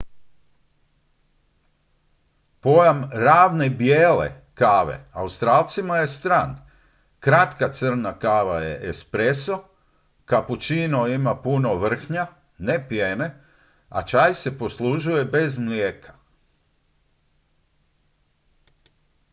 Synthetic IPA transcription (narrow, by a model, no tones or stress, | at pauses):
po̞jamɾaːʋne̞bjeːlḛ | kaːʋe̞̰aust̪ɾaːlt̪simaje̞st̪ɾan | kɾat̪kat̪sr̩nakaːʋajḛʔespɾe̞so | kaput͡ʃinoimapuno̞ʋr̩xɲa | ne̞pjene̞ | a̰t͡ʃajse̞po̞slˠuʒuje̞be̞zmljeːkʰḁ